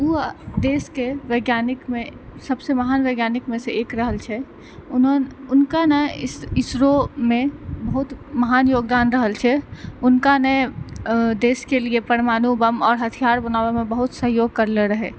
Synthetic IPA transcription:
ud̪eːskeʋeːɡjaːnɪkmẽsɐbseməɦaːnʋeːɡjaːnɪkmẽseeːkɾəɦəlt͡ʃʰɛ | ʊnnʊnkanəɪsɪsɾomẽbəɦʊt̪məɦaːnjoːɡd̪aːnɾəɦəlt͡ʃʰɛʊnkanə | d̪eːskeliepəɾmaːnubəmɔːɾɦət̪ʰijaːɾbənaːwemẽbəɦʊt̪səɦjoːɡ̚kəɾleɾəɦeː

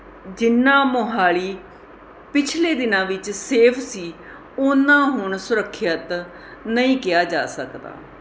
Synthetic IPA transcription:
d͡ʒɪnːãːmoɦaːɭiː | pɪt͡ʃʰleːd̪ɪnãːʋɪt͡ʃseːpʰsiː | ʊnːãːɦʊɳsʊɾəkʰːjət̪ | nəĩːkɪjaːd͡ʒa̰ːsəkd̪a̰ː

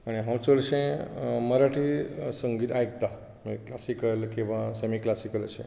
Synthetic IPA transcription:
añeɦãmsəlʃẽməɾaʈʰisəŋɡiːt̪ajk̚t̪a | mḭklasikəlkĩʋãsemiklasikələ̰ʃḛ̃

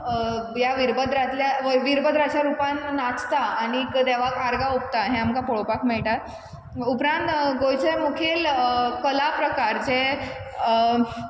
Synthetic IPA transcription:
jaʋiɾbəd̪ɾat̪ljaʋʋiɾbəd̪ɾat͡ɕaɾupãnːat͡st̪aañikd̪eʋ̤akaɾɡaup̚t̪aɦẽamkapɔɭopakmɛɭʈat̪̚ | upɾãnt̪ɡojt͡ɕəmukʰeːlkəlapɾəkaɾd͡ze

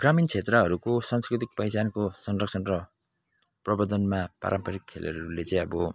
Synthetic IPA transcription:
ɡ̥ramint͡sʰet̪rʌɦʌɾukosanskrit̪̬ik̚pʌjsankosʌnrʌksʰʌnrʌ | prʌbʌd̪ʌnmapa̰ɾʔampʌɾikʰːḛlʌ̰ɾʌɾulet͡sãj̃ʌbʌ

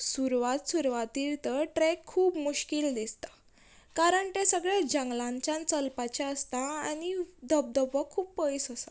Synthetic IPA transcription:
suɾʋat̪suɾʋat̪iɾt̪əɾʈɾɛkʰːuːpmuɕkild̪ist̪ḁ | kaɾəɳt̪ẽsəɡɭad͡ʑə̃ŋɡlãɲt͡ɕjãnt͡səlpat͡ɕaəst̪aanid̪əb̚d̪əbəkʰːuːpːəjsəsa

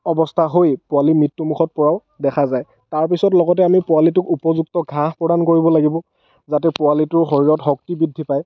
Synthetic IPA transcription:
ɔbɔstʰaɦojpʊwalimitːumukʰxʰɔt̚pɔɹaʊ | dɛkʰazaj | taɹp̬isɔtlɔɡɔt̬ɛamipʊalit̬ʊkupɔzuk̚tɔɡʱãɦpɹɔdankoɹibɔlaɡibɔ | zatɛpʊalitʊɹɦoɹiɹɔtɦɔk̚tibidʱːipaj

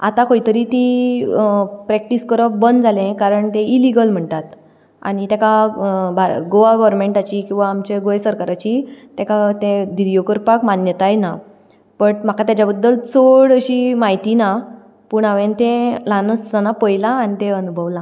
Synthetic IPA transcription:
a̰t̪ãkoit̪əɾiːt̪i | pɾɛk̚ʈiskəɾəbənd̪d͡zʱalẽkaɾəɳt̪ẽiliɡəlm̤əɳt̪at̪ | a̰ñit̪akabʱaɾɡoʋaɡɔʋɾmeɳʈat͡ɕikĩw̃ʋaːmt͡ɕeɡojsəɾkaɾat͡ɕit̪jakat̪ẽd̪iɾijokəɾpakmanjət̪ajena | pəɳm̤akat̪jat͡ɕabəd̪ːəlt͡soɽəɕiːmaɦit̪ina | puːɳaʋẽnt̪ẽlanəsənapəjlaːñit̪ẽənubʱəʋla

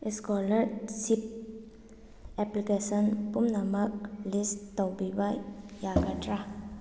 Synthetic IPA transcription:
iskɔləɾsip̚ | ɛplikesənpumnamək̚list̪ɔwbibajakaʈɾa

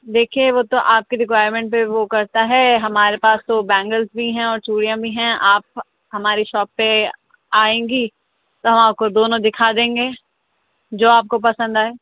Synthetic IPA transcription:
d̪eːkʰieʋot̪oʔaːp̚keɾɪkʋaːjəɾmɛ̃ːɳʈ̚peʋokɐɾt̪aɦɛɦɐmaːɾepaːst̪obɛ̃ːŋɡəlzbʱiɦɛ̃ɔːɾt͡ʃuːɽijãbʱiɦɛ̃aːp̚ | hɐmaːɾiʃɔːpːe | aːẽːŋɡi | t̪oɦɐ̃maːp̚kod̪oːnõd̪ɪkʰad̪ẽːŋɡeː | d͡ʒoːaːp̚kopɐsə̃nd̪aːɦɛː

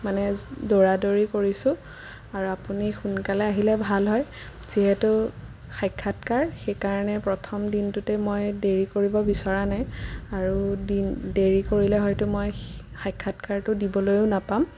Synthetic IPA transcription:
manɛdoɹadoɹikoɹisʊ̃ | aɹuapunixunkalɛaɦilɛbʱalɦɔj | z̥iɦɛtʊ | xʰajkʰːatkaɹxejkaɹɔnɛpɹɔtʰɔmdintʊtɛmojdeɹikoɹibɔbisaɹanajaɹudindeɹikoɹilɛɦɔjtʊmoj | xajkʰːatkaɹtʊdibɔlojʊnapam

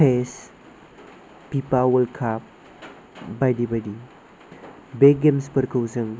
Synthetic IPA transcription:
pes | pipawəlkʰap̚ | bajɖibɐɖi | beɡɡemspəɾkʰəwsəŋ

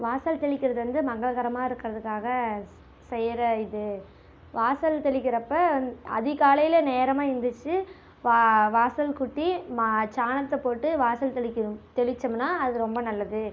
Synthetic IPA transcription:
ʋaːsɐlt̪ɛɭɪkːɪɾɐðɯʋɐnd̪ɯmɐɣɐɭɣɐɾɐmaːɪɾɯkːɪɾɐðɯkːaːɣɐ | sɛjɐɾɐɪðɯ | ʋaːsɐlt̪ɛɭɪkʲːɪɾɐpːɐɐɐ̰ðɪkaːlɐjɪlɐneːɾɐmaːɪnd̪ɯt͡ʃːɯ | ʋaʋaːsɐlkʊʈːimat͡ʃaːnɐt̪ːɐpoːʈːɯʋaːsɐlt̪ɛɭɪkʲːɪɾɯmt̪ɛɭɪt͡ʃːɐmnaːɐðɯɯɾɔmbɐnɐlːɐðɯ

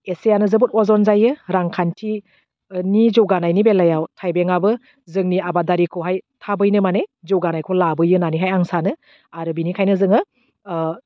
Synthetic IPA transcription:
esejanɯzɯbut̚ɔzɔnzajɯɾaŋkʰantʰi | nizowɡanajnibelajawtʰajbeŋabɯ | zɯŋniabadaɾikʰɯwɦajtʰabɯjnɯmanezɯwɡanajkʰɯwlabɯjɯnaniɦajaŋsanɯ | aɾɯbinikʰajnɯzɯŋɯ

